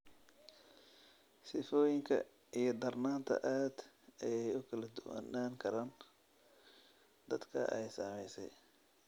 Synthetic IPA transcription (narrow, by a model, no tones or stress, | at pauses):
sɪfɔːjɪŋkʰɐ̰ | ʔijɞd̪ɐrnaːnt̪ʰɐ̰ʔaːd̪̥ | ɛjɛjʊkʰɐlɐd̪ʊwa̰naːŋkʰɐɾaːn | d̪ɐd̪kʰɐ̰ʔɛjsaːmɛjsɛ̰j